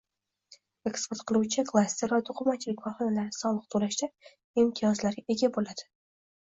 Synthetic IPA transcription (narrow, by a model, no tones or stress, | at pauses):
e̞kspe̞ɾt̪qʰɨlˠuwt͡ʃʰɪkʰlˠasʲt̪eɾvat̪ʰʊqʰʊmat͡ʃʰɪlɪkʲvɒɾχɒnalaɾɪsɒlˠɨq̚t̪ʰolaʃd̪a | imt̪ʰijɒzlaɾɡʲaʔe̞ɡʲabolad̪̥ɪ